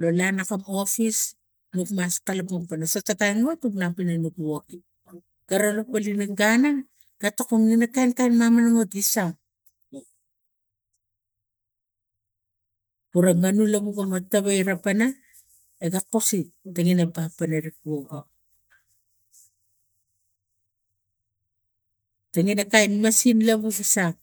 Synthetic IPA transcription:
lo̞lanakamo̞fis | nukmastalapoŋpanasatatajŋotupnapinanukwoki | ɡ̥aɾalopalinaŋɡana | ɡ̥atakuŋninakajnkajnmamanaŋodisaŋ | puɾaŋanulaβuɡamataβaiɾapana | eɡakositaŋinapapanaɾip̚uoɡo | taŋinakajnmasinlaβusisaŋ

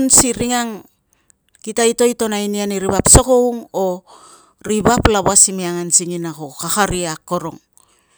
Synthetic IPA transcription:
nsiɾiŋaŋ | kitaito̞jto̞nainianiɾiβapsoko̞wŋo | ɾiβaplaβoasimiaŋansiŋinakokakaɾiako̞ɾo̞̰ŋ

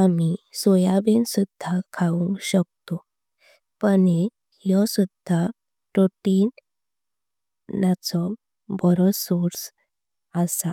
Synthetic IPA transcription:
amisɔjabensud̪ʱːakʰaũŋkɕək̚t̪o | pəne | jɔsud̪ʱːa | ʈoʈin | nat͡sɔ | bɔɾɔsoɾs | əsa

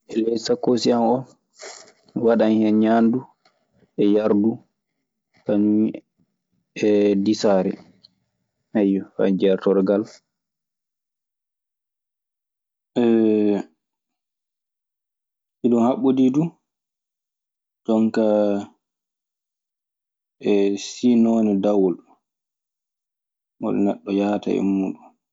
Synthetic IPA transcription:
ʔɛlɛjsakːosianɔn | waɗanhɛnɲandu | ʔɛjaɾdu | kaɲ | ɛdisaːɾɛ̰ | ajɔfa̰d͡ʒɛɾtɔɾɡal | ʔɛ | iɗɔnhaɓodidu | d͡ʒɔŋka | ɛsinoːnidawɔl | mɔ̰ɗ̰nɛɗːɔjaːta̰ɛ̰muːɗun

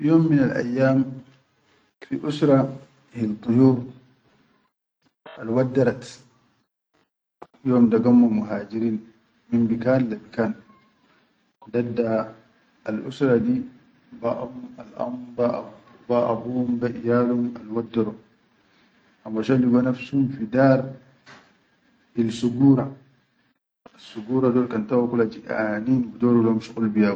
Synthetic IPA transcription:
joːmːinalʔa̰jːaːm | fiʔusɾa | hilt̪ˤːuhuːɾ | alwadːaɾat | joːmdaɡamːumuɦaːd͡ʒiɾiːn | mimbikaːnlabikaːn | kɔdadːaː | lʔṵsɾadi | baʔamala̰mba̰ | baʔabumbaʔijaːluma̰lwadːɔɾɔ | ʔamːaʃaliɡɔnafsumfidaɾ | bilsuɡuɾa | asuɡuːɾadɔlkantawakulad͡ʒiʔa̰ninbdɔɾɔlɔmʃukulbija

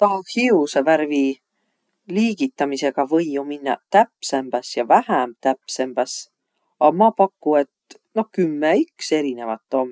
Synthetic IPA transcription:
t̪ɑhiusɑvæɾvi | liːɡ̥it̪ːˑɑmise̞ɡ̥ɑvɤjːuminːɑ̰t̪æpsemb̥ɑsjɑvæhæmt̪æpse̞mb̥ɑs | ɑmɑpɑkːue̞t̪ | no̞hkymːeykse̞ɾine̞vɑt̪ːˑomː

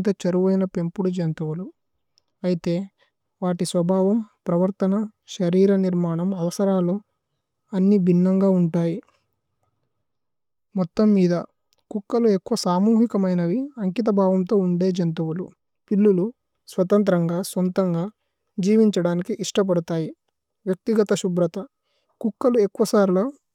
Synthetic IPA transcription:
t̪ɐt͡ʃɐɾuʋɐjnɐpe̞mpuɽud͡ʒɐnt̪ɐwulu | ɐjit̪e̞ː | ʋaːʈisʋɐbʱaːʋɐmpɾɐʋɐɾt̪ɐnɐʃɐɾiːɾɐniɾmaːɳɐmɐʋɐsɐɾaːloː | ɐnːibʱinːɐŋɡaːuɳʈaːji | mɔt̪ːɐmːiːd̪ɐ | kukːɐluekːuʋɐsaːmuːɦikɐmɐjnɐʋiɐŋkit̪̬ɐbʱaːʋɐmt̪o̞ːuɳɖe̞ːd͡ʒɐnt̪ɐʋulu | pilːulu | sʋɐt̪ɐnt̪̬ɾɐŋɡaːsont̪ɐŋɡaː | d͡ʒiːʋiɲt͡ʃɐɽaːnikiʔiʂʈɐp̬ɐɽut̪aːji | ʋjɐk̚t̪iɡɐt̪ɐʃubɾɐt̪ɐ | kukːɐluekːuʋɐsaːɾloː

